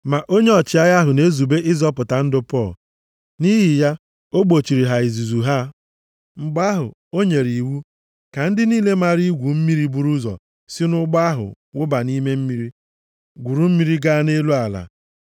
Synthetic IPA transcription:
ma˨ʔo˦ɲe˦ɔ˨t͡ʃɪ˨a˦ɣa˦ɦʊ˨ne˦zu˨be˦ʔɪ˦zɔ˦pʊ˨ta˨n̩˦dʊ˦pɔ˦˨l | ni˦ɦɪ˨ja˦ | o˦ɡ͡bo˨t͡ʃi˨ɾi˨ɦa˨i˨zu˨zu˨ɦa˦ | ŋ͡m̩˨ɡ͡ba˦ɦʊ̰˨ | o˦ɲe˨ɾi˨wu˦ | ka˨n̩˦dɪ˦niː˦le˦ma˨ɾi˦ɡʷu˨m̩˦mi˦ɾi˦bu˨ɾu˦zɔ̰˨ | sɪ˦nʊ˦ɡ͡ba˦a˦ɦʊ̰˨ | wʊ˦ba˨ni˦me˦m̩˦mi˦ɾi˦ | ɡʷu˨ɾu˦m̩˦mi˦ɾi˦ɡa˦ne˦lu˦a˨la̰˨

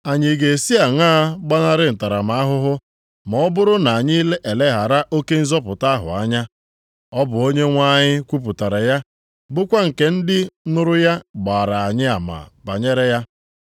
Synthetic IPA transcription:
a˨ɲɪ˨ɡe˨si˦a˨ŋaː˦ɡ͡ba˦na˦ɾɪ˦n̩˨ta˨ɾa˨ma˨a˦ɦʊ˦ɦʊ˦ | mɔ˨ɔ˦bʊ˦ɾʊ˦na˨a˨ɲɪ˦i˦le˦ʔe˨le˦ɦa˨ɾa˦ʔo˦ke˦n̩˦zɔ˦pʊ˨ta˦ɦʊ̰˨a˦ɲa˦ | ɔ˦bʊ˨o˦ɲe˦ŋʷa˦ɲɪ˦kʷu˦p̬u˨ta˨ɾa˨ja˦ | bʊ˦kʷa˦ŋ̩˨ke˨n̩˦dɪ˦nʊ˦ɾʊ˦ja˦ɡ͡ba˨a˨ɾa˨a˨ɲɪ˦a˨ma̰˨ba˨ɲe˦ɾe˦ja˦

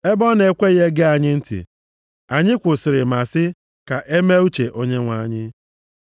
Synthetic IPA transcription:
e˦bɔ˦ne˨kʷe˦je˦ɡe˦a˨ɲɪ˦n̩˦tḭ˨ | a˨ɲɪ˦kʷʊ˨sɪ˨ɾɪ˨ma˨sɪ˦ | ka˨ʔe˦me˦u˦t͡ʃe˨ʔo˦ɲe˦ŋʷa˦ɲɪ˦

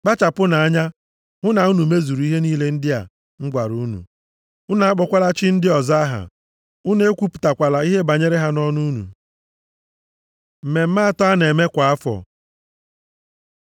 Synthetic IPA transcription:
k͡pa˦t͡ʃa˨pʊ˦na˨a˦ɲa˦ | ŋʊ˦na˨u˦nu˨me˦zu˨ɾu˦i˦ɦe˦niː˦le˦n̩˦dɪ˦a̰˨ | ŋ̩˦ɡʷa˨ɾu˦nṵ˨ | ʊ˦na˨a˦k͡pɔ˨kʷa˦la˦t͡ʃɪ˦n̩˦dɪ˦ɔ˨za˦a˦ɦa̰˨ | ʊ˦ne˦kʷu˦pu̥˨ta˨kʷa˨la˨i˦ɦe˦ba˨ɲe˦ɾe˦ɦa˦nɔ˦nu˦nṵ˨ | m̩˨me˨m̩˦maː˦tɔ˦a˦ne˨me˦kʷa˨a˦fɔ̰˨

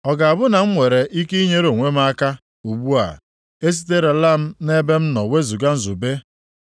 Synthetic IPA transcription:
ɔ˨ɡa˨a˨bʊ˦na˨m̩˦ŋʷe˨ɾe˨ʔi˦ke˦i˦ɲe˦ɾo˨ŋʷe˦m˦a˦ka˦ | u˨ɡ͡bu˦a̰˨ | e˦s̬i̥˦t̬e˦ɾe˨la˦m̩˦ne˦be˦m̩˦nɔ˨we˦zu˨ɡa˦n̩˦zu˨be˦

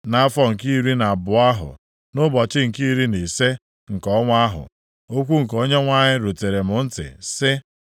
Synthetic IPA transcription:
na˨a˦fɔ˦ŋ̩˨ki˦˨ɾi˦na˨a˨bʊ˨a˦ɦʊ̰˨ | nʊ˦bɔ˨t͡ʃɪ˦ŋ̩˨ki˦ɾi˦ne˨se˦ | ŋ̩˨kɔ˦ŋʷa˦ɦʊ̰˨ | o˦kʷu˦ŋ̩˨ko˦ɲe˦ŋʷa˦ɲɪ˦ɾo˨te˨ɾe˨mʊ˨n̩˦tɪ̰˨sɪ˦

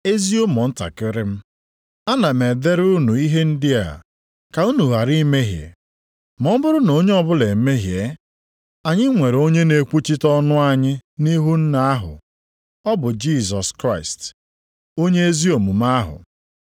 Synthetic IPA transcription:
e˦zi˦o˦mɔ˨n̩˦ta̰˨kɪ˦ɾɪ˦m̩˦ | a˦na˨m̩e˨de˦ɾu˦nu˨i˦ɦe˦n̩˦dɪ˦a̰˨ | ka˨u˦nu˨ɦa˨ɾi˦me˦ɦjḛ˨ | mɔ˦m̩˦bʊ˦ɾʊ˦no˦ɲe˦ɔ˦bʊ˦le˨m̩˦me˦ɦje˨˦ | a˨ɲɪ˦ŋʷe˨ɾo˦ɲe˦ne˨kʷu˦t͡ʃi˦tɔ˦nʊ˦a˦ɲɪ˦ni˦ɦu˦n̩˦na˦a˦ɦʊ̰˨ | ɔ˦bʊ˨d͡ʒi˦˨zɔ˨skɾa˦˨ɪ˨st | o˦ɲe˦e˦zi˦o˨mu˨m˦a˦ɦʊ̰˨

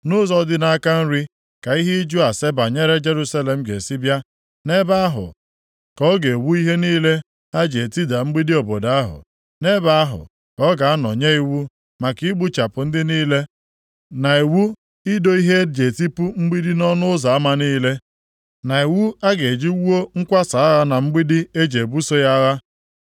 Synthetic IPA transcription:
nʊ˦zɔ˦dɪ˦na˦a˦ka˦n̩˦ɾi˦ | ka˨i˦ɦe˦d͡ʒu˦a˨se˦ba˨ɲe˦ɾe˦d͡ʒe˦ɾu˦sa˦le˨m̩˦ɡe˨si˦bja˦ | ne˦ba˦a˦ɦʊ̰˨ | kɔ˦ɡe˨wu˦i˦ɦe˦niː˦le˦ | a˦d͡ʒe˨e˨ti˦da˨ŋ͡m̩˦ɡ͡bi˦di˦o˨bɔ˨da˦a˦ɦʊ̰˨ | ne˦ba˨a˦ɦʊ̰˨ | kɔ˦ɡa˨a˦nɔ̰˨ɲe˦i˦wu˦ | ma˨ki˦ɡ͡bu˦t͡ʃa˨pʊ˨n̩˦dɪ˦niː˦le˦ | na˨e˨wu˦ | i˦do˦i˦ɦe˦d͡ʒe˨ti˦pu˦m̩˦ɡ͡bi˦di˦nɔ˦nʊ˦ʊ˦za˨a˦ma˦niː˦le˦ | na˨e˨wu˦a˦ɡe˨d͡ʒi˦wu˦o˦ŋ̩˦kʷa˦sa˨a˦ɣa˦na˨ŋ͡m̩˦ɡ͡bi˦di˦e˦d͡ʒe˨bu˦so˦ja˦ɣa˦

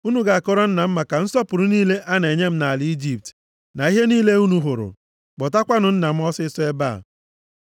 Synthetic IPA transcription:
u˦nu˨ɡa˨a˨kɔ˦ɾɔ˦n̩˦na˨m̩˦ma˨ka˨n̩˦sɔ˦pʊ˨ɾʊ˦niː˦le˦ʔa˦ne˨ɲe˦m̩˦na˨lɪ˨˦i˦d͡ʒi˦p̚t | na˨i˦ɦe˦niː˦le˦u˦nu˨ɦʊ˨ɾʊ̰˨ | k͡pɔ˨ta˦kʷa˦nʊ˨n̩˦na˨m̩˦ɔ˦sɪ˦sʊ˦e˦ba̰˦˨

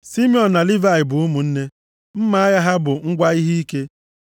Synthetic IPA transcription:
si˦m˦ɔ˨n̩˨na˨li˦va˨ɪ˨bʊ˨ʊ˦mu˨n̩˦ne˦ | m̩˦ma˨˦a˦ja˦ɦa˦bʊ˨ŋ̩˦ɡʷa˦i˦ɦi˦i˦ke˦

